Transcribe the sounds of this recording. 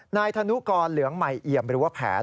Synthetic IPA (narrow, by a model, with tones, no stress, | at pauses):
naː˧jt̪ʰa˧nu˦˥kɔː˧nlɯ˩˦əŋma˨˩jʔi˨˩əmɾɯː˩˦waː˥˩pʰɛ̰ː˩˦